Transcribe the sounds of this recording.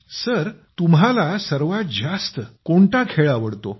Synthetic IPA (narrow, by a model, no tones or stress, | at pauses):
səɾt̪umɦalasəɾʋat̪̚d͡ʑast̪əkoɳt̪akʰeɭaʋəɽt̪o